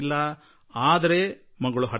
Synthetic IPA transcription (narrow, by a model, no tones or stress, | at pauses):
lːɐ | aːd̪ɐɾe | mɐɡɐɭuɦɐ